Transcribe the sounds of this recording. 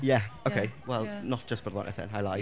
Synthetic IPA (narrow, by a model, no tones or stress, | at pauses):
jæoʊkʰeɪwɛlˠnət̚d̥ʒ̥ʌsb̥əɾəlɔ̰̃nʔəθɪ̰̃ŋaɪlaɪ